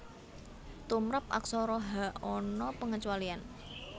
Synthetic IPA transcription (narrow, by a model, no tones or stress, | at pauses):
t̪umɾap̚ʔa̰ksɔɾɔɦaʔɔnɔpəŋət͡ʃualian